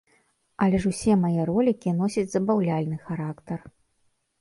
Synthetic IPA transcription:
ɐlʲɛʂusʲɛmajɛɾɔlʲikʲinɔsʲɐt͡sʲzɐbawlʲalʲnɨxaɾakt̪ɐr

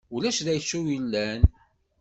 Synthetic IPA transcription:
ʊlæʃðæjsːuwilːæn

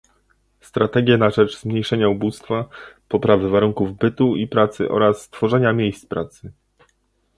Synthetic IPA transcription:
st̪ɾat̪ɛɡʲjɛnaʐɛʐzmɲejʂɛɲaubust̪fapɔpɾavɘvaɾuŋkuvbɘt̪uipɾat̪sɘ̰ʔɔ̰ɾasːt̪fɔʐɛɲamʲjejst̪spɾat̪sɘ

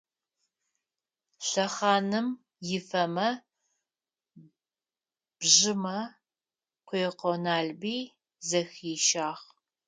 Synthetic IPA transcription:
ɬɐχɑːnɨm | jɪfɐmɐ | b̥ʒɪmɐ | qʷeːqonaːɮbiː | zɐxiːʃaːχ

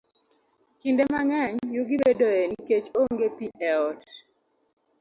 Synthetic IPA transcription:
kindemaŋɛɲjuɡɪbedɔjɛniiket͡ʃoŋɡepiɛɔt

